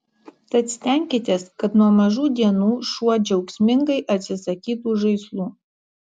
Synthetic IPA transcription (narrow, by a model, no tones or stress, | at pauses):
t̪ɐt̪sʲt̪ʲæŋʲkʲɪt̪ʲeːskɐt̪nuɔmɐʒuːd̪ʲiɛnuːʃuɔd͡ʒʲɛʊksʲmʲɪŋɡɐɪʔɐt̪ʲsʲɪsɐkʲiːt̪uːʒɐɪslˠuː